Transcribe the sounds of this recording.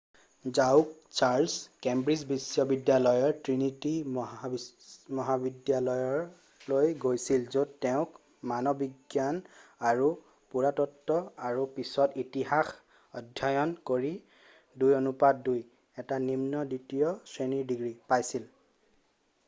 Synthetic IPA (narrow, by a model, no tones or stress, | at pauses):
zawkt͡ʃaɹlskembɹizbisjɔbidjalɔjɔɹtɹiniti | mɔɦabidjalɔjɔɹ | lojɡojsilzodtɛʊ̃k | manɔbiɡjanaɹu | puɹatɔtːɔaɹupisɔtitiɦax | ɔdʱjajɔnkoɹi | dujonupadduj | ɛtanimnɔditijɔsɹeniɹdiɡɹipajsil